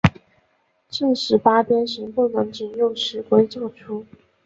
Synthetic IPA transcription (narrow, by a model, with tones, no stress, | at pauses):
ʈ͡ʂɤ˥˧ŋʂɻ̩˧˥˩pa˥pjɛ˥nʂə˧˥ŋpu˥˩nɤ˧˥ŋʈ͡ʂ̩˨˩njo˥˩ʊʂɻ̩˧˥kwe˥ɪʈ͡ʂɑ˥˩ʊʈ͡ʂʰu˥